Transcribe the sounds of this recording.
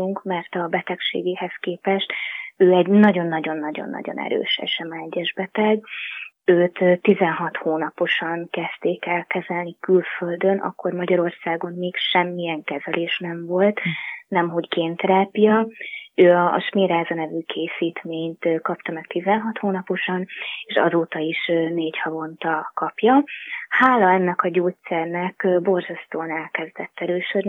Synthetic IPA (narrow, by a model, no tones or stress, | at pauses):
uŋkmɛrt̪ɒbɛt̪ɛkʃḛːɡeːhɛskeːpɛʃt̪øːɛɟnɒɟo̞nːɒɟo̞nːɒɟo̰nːɒ̰ɟo̞̰nʔɛ̰ɾø̰ːʃɛ̰ʃɛmɒɛɟːɛʒbɛt̪ɛɡ | øːt̪t̪ːizɛnɦɒt̪hoːnɒpo̞ʃɒŋkɛst̪eːkɛlkɛzɛlnikylføld̪ø̞nʔɒ̰kːo̞rmɒɟɒɾo̞rsaːɡo̞nmeːkʃɛmːiɛŋkɛzɛleːʃnɛɱvo̞lt̪nɛmɦo̞ɟkeːnt̪ɾaːpijɒøːɒ̰ːʃmeːɾaːzɒnɛvyːkʰeːsiːt̪meːɲt̪kɒpt̪ɒmɛkt̪izɛnɦɒt̪hoːnɒpo̞ʃɒneːʃɒ̰zoːt̪ɒiʃneːɟhɒvo̞nt̪ɒkɒpjɒhaːlɒɛnːɛkɒɟoːt̪sɛrnɛkbo̞rzɛst̪oːnɛlkɛzd̪ɛt̪ːɛɾøːʃød̪ni